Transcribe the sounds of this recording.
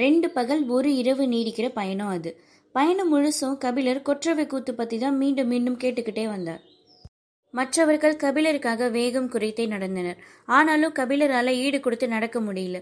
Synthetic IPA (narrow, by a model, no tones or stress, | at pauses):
ɾɛɳɖɯpɐɣɐɭɔɾɯɪɾɐʋɯniːɽɯkːɪrɐpɐjɐnõɐðɯ | pɐjɐnɯmʊɻʊsɐ̃kɐbɪlɐɾkɔʈrɐʋɐkuːt̪ːɯpːɐt̪ːiðãːnmiːɳɖɯmːiːɳɖɯmkeːʈːɯkːɪʈːeːʋɐnd̪a̰ːɾ | mɐʈrɐʋɐɾɣɐɭkɐbɪlɐɾɯkːaːɣɐʋeːɣɐmkʊrɐɪt̪ːɐɪnɐɽɐnd̪ɐnɐɾaːnaːlɯ̃mkɐbɪlɐɾaːlɐiːɽɯkɔɽɯt̪ːɯnɐɽɐkːɐmʊɽɪjɪlɐ